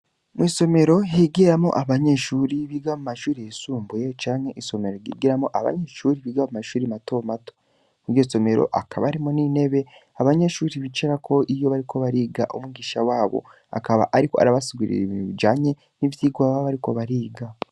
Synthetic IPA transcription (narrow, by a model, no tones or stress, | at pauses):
mwiːso̞me̞ɾo̞ɦiɡiɾamo̰ʔaβaɲe̞ʃuɾiβiɡamumaʃuːɾijesuːmbujet͡ʃaːŋ̥he̞ʔiso̞me̞ɾo̞ɡḭːɡiɾamoʔaβa̰ɲe̞ʃuːɾiβiɡamumaʃuːɾimato̞mato̥ | kuɾjoso̞me̞ɾo̞̰ʔakʰaβaːɾimonine̞βe̞ | aβaɲe̞ʃuːɾiβit͡ʃeɾakʰo̞ʔijo̞βaɾikʰo̞βaɾiːɡa̰ʔumuɡiʃawaːβo̞̰ | a̰kaβa̰ʔaɾiko̞a̰ɾaβasiɡwiɾḭḭβinuβid͡ʒaːɲe̞ | nivjiːɡwaβaβaɾiko̞βaɾiːɡa